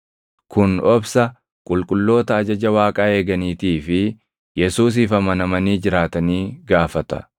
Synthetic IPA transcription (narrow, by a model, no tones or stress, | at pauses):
kʰʊnɔbsɐ | kʼʊlkʼʊlːo̞ːt̪ɐːd͡ʒɐd͡ʒɐwaːkʼaːe̞ːɡɐniːt̪iːfɪ | jɛsuːs̬iːfɐmɐnɐmɐniːd͡ʒɪɾaːt̪ɐniːɡaːfɐt̪ɐ̰